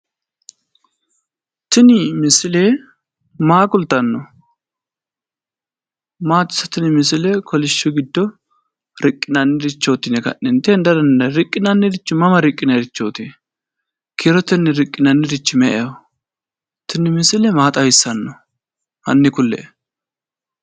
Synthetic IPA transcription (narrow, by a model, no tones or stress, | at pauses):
t̪ɪnɪmɪsɪle | maːkʊlt̪ːɐnːɔ | maːt̪ːɪ̥sɐt̪ɪnɪmɪsɪlɛkʰɔlɪʃːʊɡɪd̪ːɔ | ɾɪkʼːɪnɐnːɪɾɪt͡ʃːoːt̪ːɪnɛkɐ̰nːɛnt̪ɛnd̪ɐdɐnːɐɾɪkʼːɪnɐnːɪdɪt͡ʃːɪmɐmɐɾɪkʼːɪnɐɾɪt͡ʃːoːt̪ɪnɛ | kʰeːɾɔt̪ːɪnːɛɾɪkʼːɪnɐnːɪɾɪt͡ʃːɪmɛʔɛjo | t̪ɪnɪmɪsɪlɛmaːt̪ʼɐjɪsːɐnːɔ | hɐ̰nːɪkʊlːɛ̰